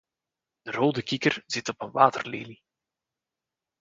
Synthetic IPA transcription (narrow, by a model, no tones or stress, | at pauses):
d̥əroːdəkikərz̥ɪtɔpənʋaːtərleːli